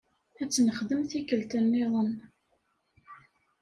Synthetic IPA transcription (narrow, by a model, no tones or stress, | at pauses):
æt͡sːnəχðəmθikəlt̪ənːɪðˤən